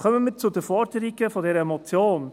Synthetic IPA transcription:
kœmənmiːt͡sudəfɔɾdəɾiɡəfɔdɛːɾəemɔt͡sjoːn

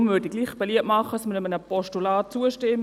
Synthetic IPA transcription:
mʋʏɾdiɡliːχb̥ɛliəpmɑχəsmɪɾəmənəpɔʃtulaːt̚t͡suəʃtɪm

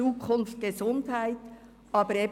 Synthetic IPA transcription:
uːkʰʊnft̚ɡ̥ezʊndhæɪt | ʔɑːbəɾeː

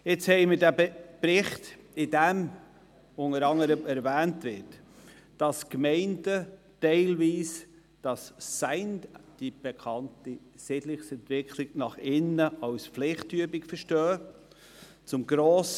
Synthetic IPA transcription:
ɪt͡shɛɪmɪɾdæpɾɪχtɪdɛm | ʊŋəɾɑŋəɾəmɛɾvæːntvɪɾt | d̥ɑskmɛɪndə | tɛɪlviːs | d̥ɑsːæɪndd̥ib̥ɛkʰɑnti | sɪdlɪχsɛntvɪkʰlɪɡnɑχɪnəɑwsflɪχtyəbɪkfəɾʃtœː | t͡sʊmɡɾoːs

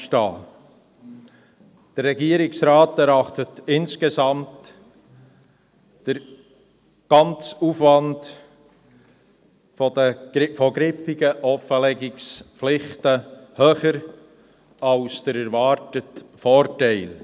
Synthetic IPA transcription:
ʃtɑː | d̥əɾːɛɡiːəɾɪksɾɑːtɛɾɑχtətɪnskezɑmt | d̥əɾ | ɡ̥ɑnt͡sufʋɑnd | fɔdəfɔɡɾɪfɪɡəʔɔfəlɛɡɪksplɪχtəhøːχəɾ | ɑlsd̥əɾæɾvɑɾtətfɔːɾtæɪl

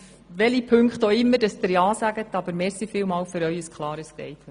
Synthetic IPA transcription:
ʋɛlipʰɵŋkχtoɪmːəɾdɑsd̥̪ɪɾjɑːsæɡ̥ət̪ɑbəɾmeːɾsifɪːwmɑːwfʏɾœɥəskʰlˠɑːɾəsd̥ɛ̰ɪt

